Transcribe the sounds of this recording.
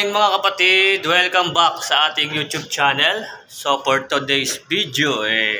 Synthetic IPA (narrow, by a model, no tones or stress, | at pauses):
ɪŋmɐŋakɐpɐt̪id̪wɛlkɐmbɐk̚sɐʔaːt̪ɪŋjuːt̪jub̚t͡ʃaːnɛl | sopoɹt̪ʊd̪ɛjsbid̪joʔɛ